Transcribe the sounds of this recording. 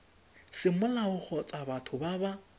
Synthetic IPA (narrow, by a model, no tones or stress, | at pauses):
sɪmʊlaʊk͡xʰɔt͡sʼabatʰʊbaba